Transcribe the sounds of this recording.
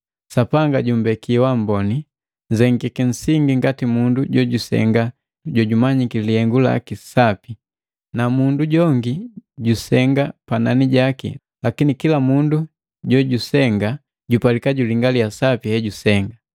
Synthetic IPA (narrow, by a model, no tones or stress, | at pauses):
sapaŋɡaɟum̩bɛkiwambɔni | ɲzɛŋɡikin̩siŋɡiŋɡatimunduɟɔɟusɛ̰ŋɡa | ɟɔɟumaɲikilihɛŋɡula̰kisapi | namunduɟɔŋɡiɟusɛŋɡapananiɟakḭ | lakinikilamundu | ɟɔɟusɛŋɡa | ɟupalikaɟuliŋɡalijasapihɛɟusɛŋɡa